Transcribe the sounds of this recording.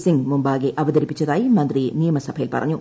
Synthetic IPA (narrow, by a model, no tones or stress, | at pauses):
siŋɡmumbaːɣeʔɐʋɐd̪ɐɾipːit͡ɕːɐðaːjimɐnd̪rinijɐmɐsɐbʱɐjilpɐrɐ̰ɲːu